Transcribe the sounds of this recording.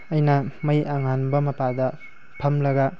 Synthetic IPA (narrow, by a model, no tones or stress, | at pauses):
ɐjnɐmɐjaŋanbɐmɐpadɐ | pʰɐmlɐɡɐ